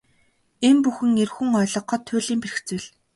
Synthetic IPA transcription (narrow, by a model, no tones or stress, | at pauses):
empuxɘ̆ŋerxuŋɔːɮɞ̆q̚ɢɔt̪ʰːʊːɮiːmperɘ̆xt͡suːɮ